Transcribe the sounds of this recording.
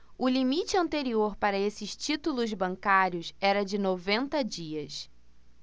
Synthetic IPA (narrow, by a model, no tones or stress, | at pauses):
ʊlimit͡ʃɪɐ̃nt̪eɾioɾpaɾɐesɪʃt͡ʃit̪ulʊzbɐ̃ŋkaɾjʊsɛɾɐd͡ʒɪnovẽnt̪ɐd͡ʒiɐs